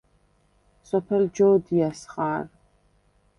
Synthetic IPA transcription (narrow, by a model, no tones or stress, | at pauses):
sʼɔpʰɛld͡ʒowd̪ijasχaːr